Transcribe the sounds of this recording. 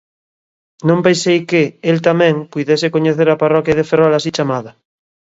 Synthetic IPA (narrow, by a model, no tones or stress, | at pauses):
nõmpensejkeelt̪amɛ̃ŋpujðesekoɲeθeɾaparɔkjað̞eferɔlasit͡ʃamaða